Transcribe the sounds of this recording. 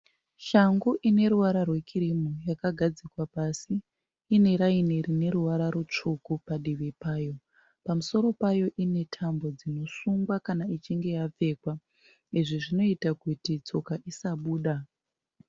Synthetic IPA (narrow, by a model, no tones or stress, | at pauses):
ʃaŋɡuʔine̞ɾuʋaɾarwe̞kiɾimujakaɡʱad͡zikwapasiː | ne̞ɾaineɾine̞ɾuʋaɾaɾut͡ʂukupaɗiʋepaːjo̞ | pamuso̞ɾo̞pajo̞ʔine̞tʰambo̞d͡zino̞suŋɡwakanait͡ʃiŋɡe̞jap͡fe̞ːkwa | iʐiʐino̞itakutit͡so̞kaʔisaɓuːɗa